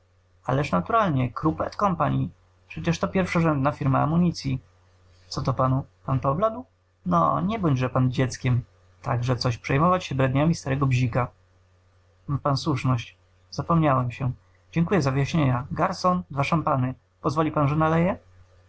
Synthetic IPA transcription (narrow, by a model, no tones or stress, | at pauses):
a̰lɛʂnat̪uɾalɲɛkɾupɛt̪kɔmpaɲi | pʂɛt͡ɕɛʂt̪ɔpʲjɛɾfʂaʐɛnd̪nafʲiɾmaa̰muɲit̪sʲji | t̪sɔt̪ɔpanupanpɔblad̪w | nɔ̰ɲɛbɔɲd͡ʑʐɛpand͡ʑɛt̪skʲɛm | t̪aɡʐɛt̪sɔɕpʂɛjmɔvat͡ɕɕɛbɾɛd̪ɲamʲist̪aɾɛɡɔbʑika | panswuʂnɔɕt͡ɕ | zapɔmɲawɛmɕɛ | d͡ʑɛŋkujɛzavɘjaɕɲeɲaɡaɾsɔnd̪vaʂampanɘ | pɔzvɔlʲipanʐɛnalɛjɛ